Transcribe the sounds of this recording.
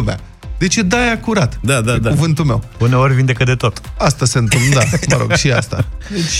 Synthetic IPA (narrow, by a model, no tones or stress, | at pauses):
uma̰ | d̪e̞t͡ʃe̞d̪ajakuɾat̪d̪ad̪ad̪akuvɨnt̪ulme̞wune̞o̞ɾʲvind̪e̞kəd̪e̞t̪o̞t̪ast̪aseɨnt̪ɨmpnd̪aməɾo̞ɡʃia̰st̪a̰d̪et͡ʃʲ